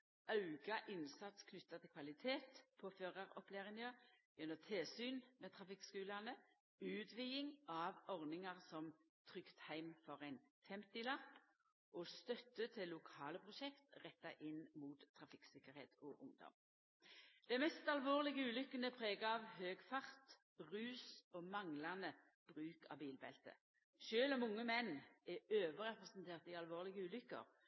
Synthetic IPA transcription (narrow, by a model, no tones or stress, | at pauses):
ʔɑʉɡɑʔɪnsɑt̪skʰnʏt̪ːɑt̪ʰɪlkʰʋɑlɪt̪ʰeːt̪pʰoːføːʁəʁɔpleːʁɪnɑjɛnːət̪ʰelsyːnmeːt̪ʰʁɑfɪkskʉːlɑnə | ʉːt̪ʋiːɪŋɑʋɔʁnɪŋɑʁsɔmt̪ʰʁʏkt̪hæɪmfɔʁæɪnfɛmt̪ɪlɑp | ʔɔːst̪œt̪ːət̪ʰɪlːʊkʰɑːləpʰʁʊʃɛkt̪ʁɛt̪ːɑʔɪnmuːt̪ʰːʁɑfɪksɪkːəɾhḛːt̪ɔʔʊŋd̪ɔ̰m | d̪̥æɪmɛst̪ɑlʋoːʁlɪɡəʉːlʏkːənəpʰʁeːɡəɑʋhøːɡfɑʁt̪ | ʁʉːsɔmɑŋlɑnə | b̥ʁʉːkɑ̰biːlbɛ̰lt̪ə̰ | ʃøːlɔmʊŋːəmɛnːɛøːʋəɾɛpʁɛsnt̪ʰeːʁt̪ɪɑlʋoːʁlɪɡəʉːlʏkːə̰ɾ